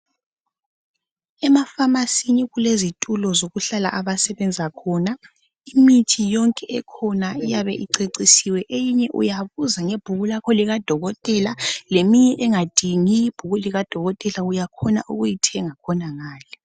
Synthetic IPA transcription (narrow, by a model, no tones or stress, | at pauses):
ɛmafamasiniɣulezitʼulɔzoɣuɬala̰ʔaβasɛβɛnd͡zʱakʰɔːna | imitʰijɔŋkʼɛʔɛkʰɔnaijaβɛʔiǀeǀisiwɛʔejiɲɛʔṵjaβuzaŋeb̥ʱuɣulakʰoliɣad̥ʱɔɣɔtʼɛlalemiɲɛʔɛŋad̥ʱiŋijib̥ʱuɣuliɣad̥ʱɔɣɔtʼɛlaujakʰɔna̰ʔuɣujitʰɛŋakʰɔnaŋaːlɛ